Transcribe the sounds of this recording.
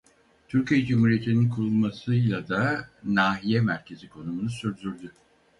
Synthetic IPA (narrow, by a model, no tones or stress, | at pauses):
t̪ʰyɾcijɛd͡ʒumuːɾije̞t̪ʰininkʰuɾulˠmasɯjlˠad̪anaːɦijɛmæɾcʰe̞zikʰo̞numunusyɾd̪yɾd̪y